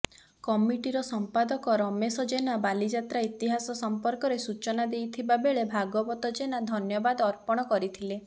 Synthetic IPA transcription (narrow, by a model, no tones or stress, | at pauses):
kɔmiʈiɾɔsɔmpad̪ɔkɔɾɔmesɔd͡ʒenabalid͡ʒat̪ɾait̪iɦasɔsɔmpɔɾkɔɾesut͡ʃɔnad̪ejt̪ʰibabeɭebʱaɡɔbɔt̪ɔd͡ʒenad̪ʱɔnjɔbad̪ɔɾpɔɽ̃ɔkɔɾit̪ʰile